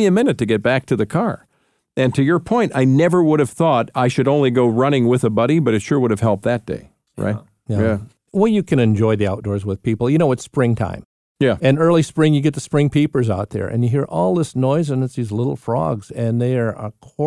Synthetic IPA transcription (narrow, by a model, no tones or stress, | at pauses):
iɨmɪ̃nɨtʰɨɡɛt̚b̥æk̚tʰɨðɨkʰɑɹ | ɨ̃ntʰɨjə˞pʰɔ̃ɪ̃ntaɪnɛvə˞wʊɾɨv̥θɔɾaɪʃɨɾõʊ̃nliɡoʊɹʌñɪ̃ŋwɪðəbʌɾibʌɾɨtʃʊɹwʊɾɨv̥hɛlˠp̪̚ðɨt̚d̥ḛɪ | ɹa̰ɪ | jæ | wɛjɨkʰɨ̃ñɨ̃nd͡ʒɔɪðiaʊt̚d̥ɔɹzwəð̥pipl̩ˠjɨñoʊwʌtspɹɪ̃ŋtʰã̰ɪ̃m | jæɨ̃nɜ˞lˠispɹɪ̃ŋjɨɡɛt̪̚ðəspɹɪ̃ŋpʰipə˞zaʊt̪̚ðə̰˞ʔɨ̰̃njɨɦiɹʔɔlˠðɪsnɔɪzɨ̃nɨtsðizlɪɾl̩ˠfɹɔ̰ɡz̥ɨ̃nðeə˞ə̰kʰɔ